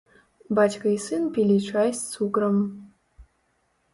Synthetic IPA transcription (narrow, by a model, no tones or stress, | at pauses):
bat͡ʃkʰɐjsɨnpʰilʲiʈ͡ʂʷʰajst͡sʰuɡrɐm